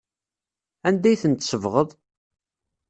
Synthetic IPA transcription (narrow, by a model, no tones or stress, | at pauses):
ænd̪æjθənt̪səvʁəðˤ